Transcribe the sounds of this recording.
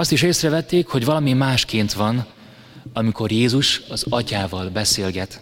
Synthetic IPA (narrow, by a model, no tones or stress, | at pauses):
ɒst̪iʃeːsrɛvɛt̪ːeːkho̞ɟvɒlɒmimaːʃkeːnt̪ʋɒn | ɒmiko̞rjeːzuʃɒzɒcaːvɒlbɛseːlɡɛt̪